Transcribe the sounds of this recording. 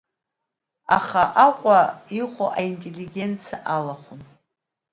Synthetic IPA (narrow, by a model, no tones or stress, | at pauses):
aχaʔaqʷʼaiχʷoʔaintʼelːiɡʲe̞nt͡sʰaʔalaχʷʊn